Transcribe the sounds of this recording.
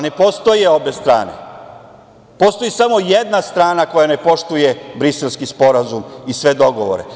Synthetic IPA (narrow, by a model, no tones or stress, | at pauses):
ne̞po̞st̪o̞jeo̞be̞st̪ɾa̰ːne̞̰ | po̞st̪o̞jisamo̞jed̪nast̪ɾaːnako̞jane̞po̞ʃt̪uje̞bɾiselˠskispo̞ɾazumisʋe̞d̪o̞ɡo̞ʋo̞̰ɾe̞̰